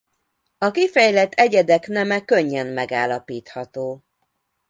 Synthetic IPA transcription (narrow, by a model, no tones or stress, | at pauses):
ɒkifɛjlɛt̪ʰːɛɟɛd̪ɛknɛmɛkøɲːɛnmɛɡaːlːɒpiːt̪hɒt̪oː